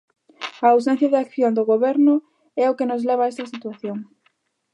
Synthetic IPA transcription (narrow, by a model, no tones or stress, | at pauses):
aaws̬ɛ̃nθjɐðɪakθjond̪ʊɣoβɛɾnʊ | ɛokenʊzlɛβ̞aɛst̪ɐsit̪waθjoŋ